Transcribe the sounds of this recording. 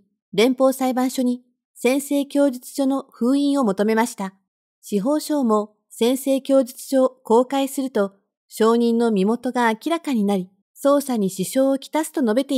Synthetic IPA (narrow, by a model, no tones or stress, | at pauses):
ɾẽ̞mpo̞ːsaibãɰ̃ɕo̞ɲ̟i | sẽ̞ɰ̃se̞ːkʲo̞ːʑit͡sɨ̥ɕo̞no̞ɸɯ̟ːĩɰ̃o̞mo̞t̪o̞me̞maɕi̥t̪a | ɕiɦo̞ːɕo̞ːmo̞ | sẽ̞ɰ̃se̞ːkʲo̞ːʑit͡sɨ̥ɕo̞ːko̞ːkaisɨɾɯ̟t̪o̞ | ɕo̞ːɲ̟ĩnːo̞mʲimo̞t̪o̞ɡaːkʲiɾakaɲ̟inaɾʲi | so̞ːsaɲ̟iɕiɕo̞ːkʲi̥t̪asɨ̥t̪o̞no̞be̞t̪e